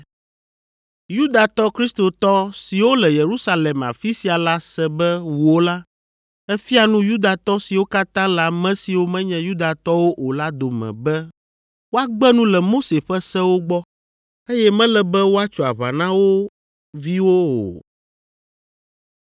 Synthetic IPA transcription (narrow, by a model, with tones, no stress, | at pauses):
ju˦d̪a˨t̪ɔ˦kɾi˦st̪o˨t̪ɔ˦si˨wo˦lɛ˨je˨ɾu˦sa˦lɛ˨ma̰˨fi˦si˨a˨la˦sɛ̃˦bɛ˦wu˨o˦la˦ | ɛ˦fi˦a˨nũ˦ju˦d̪a˨t̪ɔ˦si˨wo˦ka˦t̪ã˦la˨mɛ̃˦si˨wo˦mɛ̃˦ɲɛ̃˦ju˦d̪a˨t̪ɔ˦wo˦ʔo˨la˦d̪o˨mɛ̰̃˨bɛ˦ | wo˦a˦ɡ͡bɛ˦nũ˦lɛ˨mo˦se˨ɸɛ˦sɛ̃˦wo˦ɡ͡bɔ˦ | e˦jɛ˦mɛ̃˦lɛ˨bɛ˦wo˦a˦t͡ʃo˨a˨βa̰˨nã˦wo˦ | vi˦wo˦o̰˨